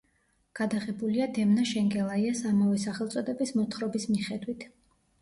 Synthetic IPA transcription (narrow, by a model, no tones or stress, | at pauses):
ɡ̥ad̪aʁɛbuliad̪ɛmnaʃɛŋɡɛlˠaiasamavɛsaχɛlˠt̪sʼɔd̪ɛbismɔt̪ʰχɾɔbismiχɛd̪wit̪ʰ